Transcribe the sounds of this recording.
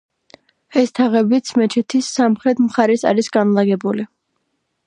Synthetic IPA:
ɛst̪ʰaʁɛbit̪sʰmɛt͡ʃʰɛt̪ʰisːamχɾɛt̪ʰmχaɾɛsa̰ɾisɡanlˠaɡɛbuli

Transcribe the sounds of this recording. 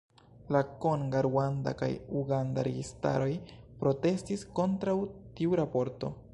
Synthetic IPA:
lako̞nɡaɾwanda̰ka̰juɡanda̰ɾe̞̰ɡista̰ɾo̞jpɾo̞te̞stisko̞ntɾawtiuɾapo̞ɾto̞̰

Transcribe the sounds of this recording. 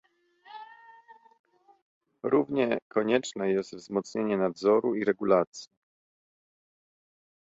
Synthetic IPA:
ɾuvɲɛkʰɔɲɛt͡ʂnɛjɛst̪vzmɔt̪sɲeɲɛnad̪zɔɾuiɾɛɡulat̪sʲji

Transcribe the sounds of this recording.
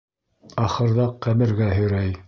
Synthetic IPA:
ɑχɤ̆ɾðɑqːæmɘ̆ɾɡæɦɵ̆jɾæj

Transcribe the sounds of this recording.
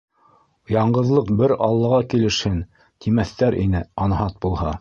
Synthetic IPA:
jɑɴɢɤ̆ðlˠɤqbɘɾɑ̰lˠːɑʁɑkilɘ̆ʃhɘn | t̪ʰimæθt̪æɾʔḭnɘɑnɦɑt̪̚bulˠhɑ

